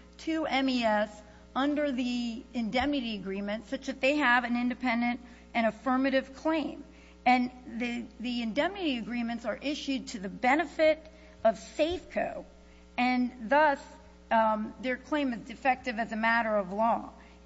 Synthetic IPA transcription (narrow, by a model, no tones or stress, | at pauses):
tʰʉɛ̃miɛs | ʌ̃ndə˞ðiɨ̃ndɛmnɨɾiɨɡɹĩmɨ̃ntsʌt͡ʃɨt̪̚ðeɪəvɨ̃nɪ̃ndɨpʰɛ̃ndɨ̃nt | ʔɨ̃ɾ̃ɨfɜ˞mɨɾɨv̥kʰl̥ẽɪ̃m | ɨ̃nðɨðiɨ̃ndɛmnɨɾiɨɡɹĩmɨ̃ntsə˞ʔɪʃʉd̚tʰɨðɨbɛnɨfɪɾ | ʌv̥seɪfkʰoʊ | ɨ̃nðʌs | ðə˞kʰl̥ẽɪ̃mɨzdɨfɛk̚tɨvɨzɨmæɾə˞ʌvlɔ